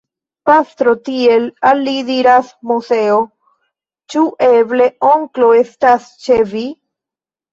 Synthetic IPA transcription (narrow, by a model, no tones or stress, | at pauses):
past̪ɾo̞tie̞lalːidiɾasmuse̞o | t͡ʃuʔe̞ble̞o̞ŋklo̞e̞stast͡ʃevi